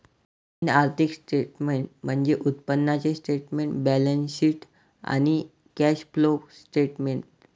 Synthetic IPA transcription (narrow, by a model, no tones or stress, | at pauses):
inaɾt̪ʰiksʈeʈmeɳʈm̤əɳd͡zeʔut̪pənːat͡sesʈeʈmeɳʈbælənsiʈ | a̰ñi | kæɕplosʈeʈmeɳʈ̚